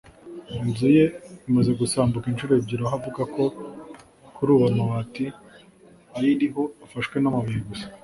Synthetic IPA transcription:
inzuje̞imaze̞ɡusaːmbukint͡ʃuɾo̞bɟiɾoɦavuɡako̞ | kuɾuːβamawati | ajiɾiɦo̞afaʃkwe̞namaβiɾiɡusḁ

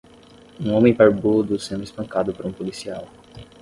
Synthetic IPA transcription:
ũõmẽj̃paɾbud̪ʊsẽnd̪ʊispɐ̃ŋkad̪ʊpaɾũpolisiaw

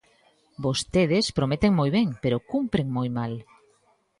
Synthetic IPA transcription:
bost̪eðespɾomet̪eŋmojβ̞eŋpeɾokumpɾeŋmojmal

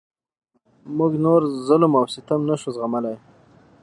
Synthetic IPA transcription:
mʊɡnoɾzʊlmawsɪt̪amnaʃuzɣamalaj

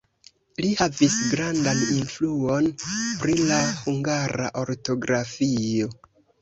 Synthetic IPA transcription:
lihavisɡɾandaninfluo̞npɾilahuŋɡaɾa̰ʔo̞ɾto̞ɡɾafio̞

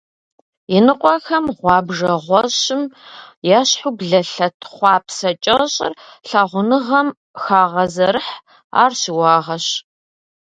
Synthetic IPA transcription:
jɪnɨqʷʼɔxɐmʁʷɑːbʐɐʁʷɔɕɪmjaːɕħubɮɐɬɐtʰχʷɑːpʰsɐt͡ʃʼɐɕʼɪ̰rɬaːʁʷʊnɨʁɐm | xaːʁɐzɐɾɨħ | a̰ːrɕɪwɑːʁɐɕ

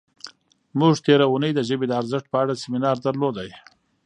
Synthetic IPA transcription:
muʐt̪eɾaunəjd̪əʒəbed̪əaɾzɪʂʈ̚pəaɽasɪmɪnɑɾd̪aɾlod̪aj

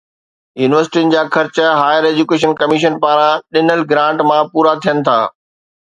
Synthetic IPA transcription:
juːnɪʋəɾsɪ̥ʈiʊnɪ̆d͡ʑaːxɐɾt͡ɕəɦaːjəɾeːd͡ʑukeːʃ̬ənkɐmiʃ̬ənpaːɾãɗɪnəlɡɾãːɳʈmãpuːɾat̪ʰijənɪ̆t̪ʰa̰ː

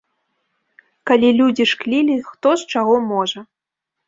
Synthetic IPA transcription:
kalʲilʲud͡zʲiʂklʲilʲixt̪ɔst͡ʂaɣɔmɔʐɐ

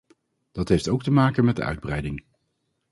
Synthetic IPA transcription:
d̥ɑtɦejftowk̚təmaːkənmɛt̚də̰ʔœ̰ɥd̚brɛjdɪŋ

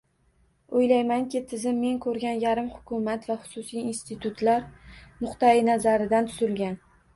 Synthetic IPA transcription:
ojlajmaŋkʲɪt̪ʰɪzɪmːe̞ŋkʰɵɾɡʲanjaɾɪmhʊ̥kʲʰʊmat̪vaχʊ̥sʊsijinst̪ʰɪt̪ʰʊt̪laɾnʊqt̪aɪnazaɾɪd̪ant̪ʰʊzɪlɡʲan

